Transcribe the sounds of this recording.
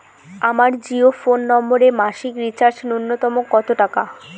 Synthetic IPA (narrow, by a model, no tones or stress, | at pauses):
amaɾd͡ʑiofonːɔmboɾemaʃikɾit͡ɕaɾd͡ʑnunːot̪ɔmokːɔt̪oʈaka